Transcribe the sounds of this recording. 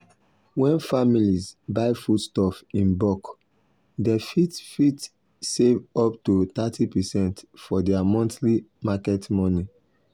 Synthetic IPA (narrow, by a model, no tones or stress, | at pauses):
wɛ̃nfamilizbaɪfutstɔfĩnbɔk | defitfit | sevɔptutatipɛsɛ̃ntfɔdɛamɔ̃ntlimakɛtmɔ̃ni